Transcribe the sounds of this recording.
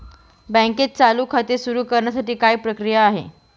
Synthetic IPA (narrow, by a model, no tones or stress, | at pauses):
bə̃ket̪̚t͡saluːkʰat̪esuɾuːkəɾɳjasaʈiːkaipɾəkɾijaːɦḛ